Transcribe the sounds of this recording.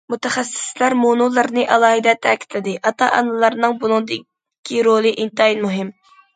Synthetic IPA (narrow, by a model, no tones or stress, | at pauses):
mut̪ɛχæsːɪ̥slæɾmonulˠɨɾnɨʔɑlˠɑːɦɪd̪ɛt̪ʰːɛkʲi̥t̪ʰlɪd̪ɪʔɑt̪ʰɑʔɑ̰nɨlˠɑɾnɨŋbunɨŋd̪ɪ | kʲʰːiɾolˠɨʔint̪ɑinmuɦɪm